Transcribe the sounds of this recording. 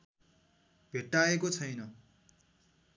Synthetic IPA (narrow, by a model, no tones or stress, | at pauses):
bʱeʈːaekot͡sʰʌjnʌ